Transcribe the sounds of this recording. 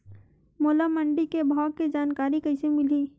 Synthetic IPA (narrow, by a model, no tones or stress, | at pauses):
moːlaməɳɖikebʱaːkːed͡ʒaːnkaːɾikɐɪsemɪliː